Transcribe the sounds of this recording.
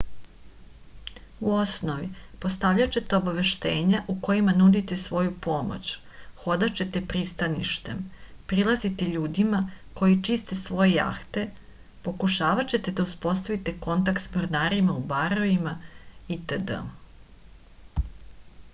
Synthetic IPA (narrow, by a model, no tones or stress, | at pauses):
uosno̞ʋipo̞st̪aʋʎat͡ɕe̞t̪e̞obaʋe̞ʃt̪eːɲaʔuko̞jimanud̪it̪e̞sʋo̞jupo̞mo̰t͡ɕ | xo̞d̪at͡ɕe̞t̪e̞pɾist̪anḭʃt̪e̞mpɾilˠazit̪eʎuːd̪imako̞jit͡ʃist̪e̞sʋo̞jeja̰xt̪e̞ | po̞kuʃaːʋat͡ɕe̞t̪e̞d̪auspo̞st̪aʋit̪e̞ko̞nt̪akt̪smoɾnaːɾimaubaɾoimait̪əd̪ə̰